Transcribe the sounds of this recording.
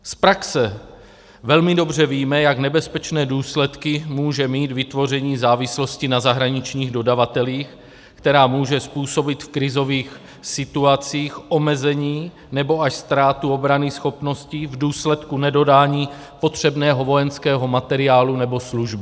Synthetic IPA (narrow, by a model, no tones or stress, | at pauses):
spɾaksɛ | vɛlmɪdo̞br̝ɛviːmɛjaknɛbɛspɛt͡ʃnɛːduːslɛt̪kɪmuːʒɛmiːt̪vɪt̪vo̞r̝ɛɲiːzaːvɪslo̞scɪnazaɦɾaɲɪt͡ʃɲiːɣdo̞davat̪ɛliːx | kt̪ɛɾaːmuːʒɛspuːso̞bɪt̪fkɾɪzo̞viːx | sɪt̪uat͡siːxʔo̞mɛzɛɲiː | nɛbo̞aʃst̪ɾaːt̪uo̞bɾanɪsxo̞pno̞scɪvduːslɛt̪kunɛdo̞daːɲiː | po̞t̪r̝̥ɛbnɛːɦo̞vo̞jɛnskɛːɦo̞mat̪ɛɾɪaːlunɛbo̞sluʒbɪ